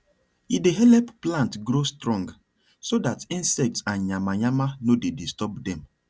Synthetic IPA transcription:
ideɦɛlɛpplãntɡɾostɹɔ̃ŋɡ | sodatĩnsɛk̚tsãnɲamaɲamanodedistɔbdɛ̃m

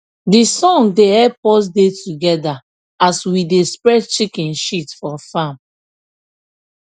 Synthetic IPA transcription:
disɔ̃ŋdeɛpɔs̬detuɡɛda | aswidespɹɛt͡ʃikɛ̃nʃitfɔfãm

